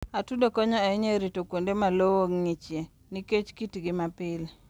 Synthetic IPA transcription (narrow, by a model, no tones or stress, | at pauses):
atudokɔɲɔaiɲeɾitokwondemalowoŋŋit͡ʃje | niket͡ʃkitiɡɪmapɪl